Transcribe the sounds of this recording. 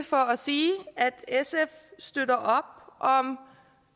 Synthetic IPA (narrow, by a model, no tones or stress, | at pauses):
fɒɒsiːæd̥esefsd̥ødɐʔɒ̽b̥̚ʔɒ̽m